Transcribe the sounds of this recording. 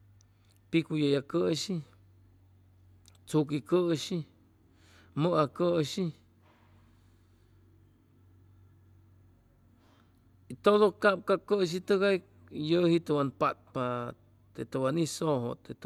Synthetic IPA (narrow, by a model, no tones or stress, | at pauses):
pikujəjakəʃi | t͡sukikəʃi | məʔakəʃi | it̪oðokap̚kakəʃ̬it̪əɣaj | jəhit̪əwanpat̪̚pa | t̪et̪əwanisoɦo̰t̪et̪